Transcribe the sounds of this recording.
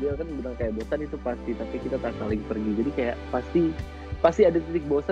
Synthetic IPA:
liakanbilaŋkajaʔbosanit̪upast̪it̪apikit̪at̪apalɪŋpərɡid͡ʒadikajaʔpast̪i | past̪iadat̪it̪ɪk̚bosa

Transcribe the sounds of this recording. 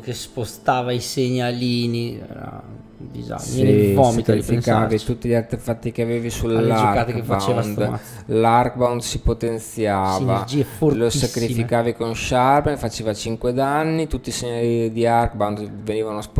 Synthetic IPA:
kespost̪aːvaiseɲaliːniɛ̰ɾa̰ | d̪ḭd͡ʒa̰vɔmit̪ifikaːvit̪ut̪ːiʎart̪efat̪ːikeaveːvisulaat̪baewnd̪ | lark̚bawnd̪sipot̪ent̪sjaːvad͡ʒieforlosakɾifikaːvikonʃarpɛnfat͡ʃeːvat͡ʃiŋkwed̪anːit̪ut̪ːiseɲalid̪iarkbawnd̪veniːvanosp

